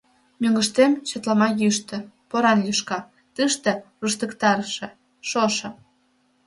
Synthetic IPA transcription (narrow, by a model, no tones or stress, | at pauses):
mʲøŋɡəʃt̪emt͡ɕə̆t̪lɑmɑjyʃt̪ĕ | poɾɑnjyʃkɑ | t̪ɨʃt̪ĕruʃt̪ə̆kt̪ɑɾʃĕ | ʃoʃɤ̆